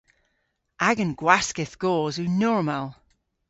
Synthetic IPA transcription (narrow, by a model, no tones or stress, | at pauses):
ʔaɡə̃nɡ̥waskɪθɡ̥oːzʉnɔɹmalˠ